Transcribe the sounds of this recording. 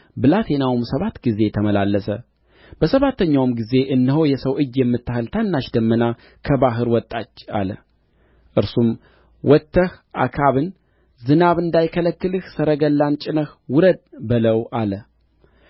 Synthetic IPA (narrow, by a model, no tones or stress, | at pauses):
bɨlat̪ʰe̞nawɨmsəβat̪ɡize̞t̪ʰəməlalːəsə | b̥əsəβat̪ːəɲːawmɡize̞ʔɨnːɨho̞jɛsəwʔɨd͡ʒjɛmːɨt̪ːahɨlt̪ʰanːaʃd̪əmːəna | kʰəβaɦɨɾwɔt̪ʼːat͡ʃːa̰lə̰ | ʔɨɾsum | wʔɔt̪ʰːəhʔa̰kʰaβɨn | zɨnaβɨnd̪ajkʰələkːɨlɨhsəɾəɡəlːant͡ʃʼɪnəhwʊɾəd̪̚bɨləwʔalə